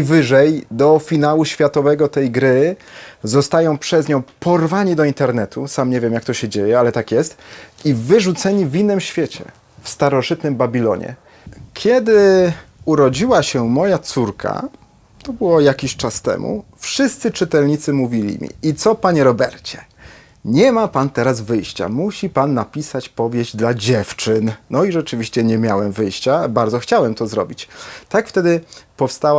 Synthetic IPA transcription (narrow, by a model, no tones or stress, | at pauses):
ivɘʐɛjd̪ɔfʲinawuɕfʲjat̪ɔvɛɡɔt̪ɛjɡɾɘ | zɔst̪ajɔ̃w̃pʂɛzɲɔ̃w̃pɔɾvaɲid̪ɔint̪ɛɾnɛt̪ʰusamɲevʲjɛmjak̚t̪ɔɕɛd͡ʑejɛalɛt̪akjɛst̪ivɘʐut̪sɛɲivʲinːɘmɕfʲjet͡ɕɛ̰ | fst̪aɾɔʐɘt̪nɘmbabʲilɔ̰ɲɛ̰ | kʲʰjɛd̪ɘ | uɾɔd͡ʑiwaɕɛmɔjat̪suɾkʰa̰ | t̪ɔbɘwɔjakʲiɕt͡ʂast̪ɛ̰mṵfʂɘst̪sɘt͡ʂɘt̪ɛlɲit̪sɘmuvʲilʲḭmʲḭit̪sɔpaɲɛɾɔbɛɾt͡ɕɛ̥ | ɲɛmapant̪ɛɾazvɘjɕt͡ɕa̰muɕipanːapʲisat͡ɕpɔvʲjeʑd͡ʑd̪lad͡ʑɛft͡ʂɘnnɔiʐɛt͡ʂɘvʲiɕt͡ɕɛɲɛmʲjawɛmvɘjɕt͡ɕabaɾd̪zɔxt͡ɕawɛmt̪ɔzɾɔ̰bʲit͡ɕt̪akft̪ɛd̪ɘpɔfst̪awa